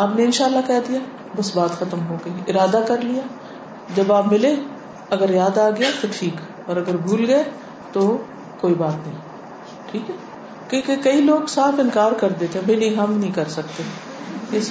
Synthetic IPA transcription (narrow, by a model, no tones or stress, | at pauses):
aːpneɪ̃nʃaːəlːakɛːd̪ija | bɐsbaːt̪xɐt̪əmɦoːɡɐiɪɾaːd̪akɐɾlijaː | d͡ʒɐbaːpmɪle | ɐɡəɾjaːd̪aːɡɐjat̪oʈʰiːk | ɔːɾɐɡəɾbʱuːlɡɐe | t̪o | koːibaːt̪nɐɦĩ | ʈʰiːkɛ | kikekɐiloːɡsaːfɪ̃nkaːɾkɐɾd̪eːt̪eɦɛ̃bʱɐinɐɦĩɦɐmnɐɦĩkɐɾsɐk̚t̪e | ɪs